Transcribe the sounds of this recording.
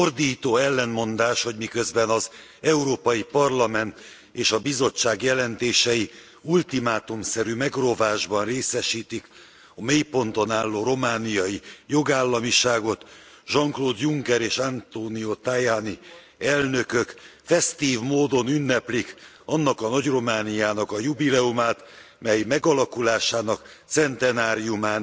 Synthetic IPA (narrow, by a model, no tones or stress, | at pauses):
ord̪iːt̪oːɛlːɛnmo̞nd̪aːʃho̞ɟmikø̞zbɛnɒz | ɛuɾoːpɒjipɒrlɒmɛnt̪ | eːʃɒbizo̞t͡ʃːaːɡjɛlɛnt̪eːʃɛji | ult̪imaːt̪umsɛɾyːmɛɡro̞vaːʒbɒnreːsɛʃiːt̪ik | ɒmeːjpo̞nt̪o̞naːlːoːɾo̞maːnijɒjijo̞ɡaːlːɒmiʃaːɡo̞t̪ | ʒɒŋkloːd̪juŋkɛɾeːʃant̪oːniot̪aːjaːni | ɛlnø̞kø̞kfɛst̪iːvmoːd̪o̞nynːɛplik | ɒnːɒkɒnɒɟro̞maːnijaːnɒkɒjubilɛumaːt̪ | mɛjmɛɡɒlɒkulaːʃaːnɒk | t̪sɛnt̪ɛnaːɾijumaːn